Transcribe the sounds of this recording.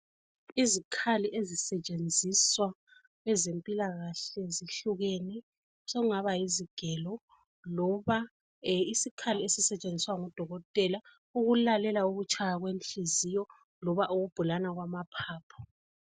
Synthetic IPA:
izikʰaliʔezisɛt͡ʃʼend͡zʱiswa | ɛzempʼilaɣaɬɛziɬuɣɛnɛ | soɣuŋaβajiziɡ̥ʱɛlɔ | lɔβa | isikʰaliesisɛt͡ʃʼend͡zʱiswaŋɔd̥ʱɔɣɔtʼɛla | uɣulalɛlauɣut͡ʃʰʼajaɣwenɬizijɔ | lɔβaʔuɣub̥ʱulanaɣwamapʰaːpʰɔ̥

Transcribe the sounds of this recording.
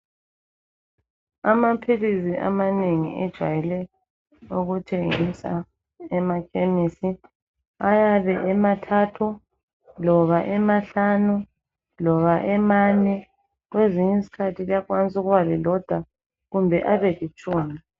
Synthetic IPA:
amapʰilisiʔa̰maneŋḭʔɛd̥ʒ̥ʱwajɛlɛ | uɣutʰeŋisa̰ | ɛmakʰemisi | ajaβɛʔɛmatʰatʰu | lɔβaʔɛmaɬanu | lɔβaʔɛmanɛ | ɣweziɲizikʰatʰilijakwant͡sʼuɣuβaβɛlɔd̥ʱwa | ɣumbʱɛʔaβɛɣit͡ʃʼuːmi

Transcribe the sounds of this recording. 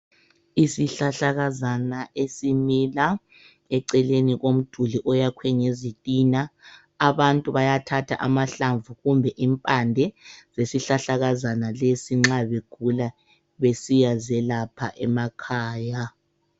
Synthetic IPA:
isiɬaɬaɣazanaʔesimila | ɛǀɛleniɣom̩d̥ʱuliʔɔjakʰwɛŋezitʼinaː | βantʼuβajatʰatʰa̰ʔamaɬaɱvuɣumbʱɛʔimpʼandʱɛz̥esiɬaɬaɣazanalesiŋ͡ǁaβeɡ̥ʱula | βesijazɛlapʰa̰ʔɛmakʰaːja

